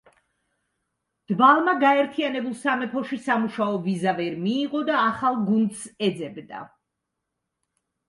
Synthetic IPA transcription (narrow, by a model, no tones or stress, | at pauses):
d̪̥balˠmaɡaɛɾt̪ʰianɛbulˠsamɛpʰɔʃisamuʃaɔvizavɛɾmiːʁɔd̪aːχalˠɡund̪sɛd̪zɛbd̪a̰